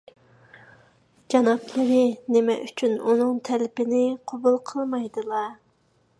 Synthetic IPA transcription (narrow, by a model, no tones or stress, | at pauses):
d͡ʒɑnɑplˠɨɾɪnɪmɛ̰ʔyt͡ʃʰynunɨŋt̪ʰɛlɪpɪnɪqʰobulˠqʰəlˠmɑjd̪ɨlˠɑ